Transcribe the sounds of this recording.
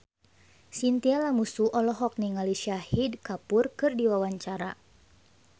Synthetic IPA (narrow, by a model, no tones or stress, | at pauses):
sint̪ialamusuʔɔlɔɦɔk̚niŋaliʃiahid̚kapurkɨrdiwawaɲt͡ʃaɾa̰